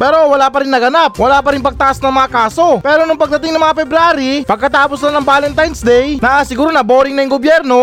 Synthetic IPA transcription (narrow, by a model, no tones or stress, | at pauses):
pɛːɾo̞wɐlaːpɐɾɪnːɐɡɐnap̚wɐlaːpɐɾɪnpɐɡ̚t̪ɐʔasnɐŋmɐŋakaːso̞pɛːɾonʊŋpɐɡ̚d̪ɐt̪ɪŋɐŋmɐŋapɛbɾaːɾipɐɡ̚kɐt̪aːposlanɐŋbaːlɛŋt̪ajnsd̪ɛjnɐʔɐsɪɡuːɾonɐboːɾɪŋnɐjɐŋɡobjɛɾno̞